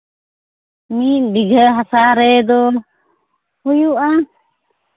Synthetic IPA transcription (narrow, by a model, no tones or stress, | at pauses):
mibiɡʱəɦasaɾɛd̪ɔ | hujuʔa